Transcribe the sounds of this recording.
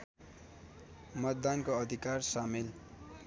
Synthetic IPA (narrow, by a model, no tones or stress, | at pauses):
mʌt̪d̪ankoʌd̪ʱikarsamil